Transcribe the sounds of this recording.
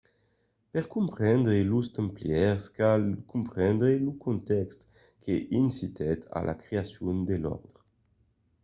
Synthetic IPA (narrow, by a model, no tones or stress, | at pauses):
pɛʁkumpχɛnd̪ʁelust̪əmpljɛʁskalkumpχɛnd̪ʁelukunt̪ɛkst̪ | kʰeʔinsit̪ɛt̪ʰa̰lʔa̰kɾeasjund̪elɔ̰ʁd̪ʁə